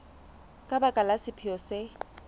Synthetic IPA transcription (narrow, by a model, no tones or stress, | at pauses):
kʼabakʼalasɪpʰɪɔsɪ